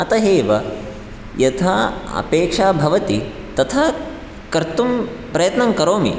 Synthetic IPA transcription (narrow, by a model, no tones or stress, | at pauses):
ɐt̪ɐɦeːʋɐ | jɐt̪ʰaɐ̰peːkʂaːbʱɐʋɐt̪i | t̪ɐt̪ʰɐ | kɐɾt̪um | pɾɐjɐt̪nɐmkɐɾoːmḭ